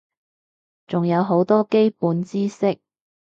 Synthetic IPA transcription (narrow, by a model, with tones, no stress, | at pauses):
t͡sʊ˨ŋjɐ˨˧wɦo˨˥wt̪ɔː˥ke˥jpuː˨˧nt͡siː˥sɪ˥k̚